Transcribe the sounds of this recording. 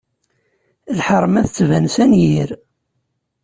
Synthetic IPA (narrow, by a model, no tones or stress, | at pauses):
lħəɾˤmæθət͡sːvænsænjiɾ